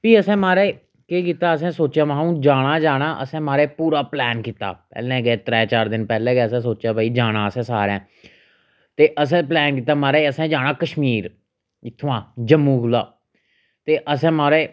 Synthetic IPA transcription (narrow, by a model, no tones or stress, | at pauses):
piːəsɛ̃ːmaːɾeː | keːk̬iːt̪aːəs̬ɛ̃ːsoːt͡ʃjaːmãːũːd͡ʒaːɽaːd͡ʒaːɽ̃aːʔəsɛ̃ːmaːɾeːpuːɾaːplɛːnkiːt̪a̰ːpɛ̰ːlɛ̃ːɡɛeːt̪ɾɛːt͡ʃaːɾd̪ɪnpɛːlɛ̃ːɡɛːəsɛ̃ːsoːt͡ʃaːbʱaːiːd͡ʒaːɽ̃aːəsɛ̃ːsaːɾɛ̃ː | t̪eːʔəs̬ɛ̃ːplɛːnkiːt̪aːmaːɾeːəsɛ̃ːd͡ʒaːɽ̃ãːkəʃmiːɾ | ɪt̪ʰːʋãːd͡ʒəmːũːɡlaː | t̪eːʔəsɛ̃ːmaːɾeː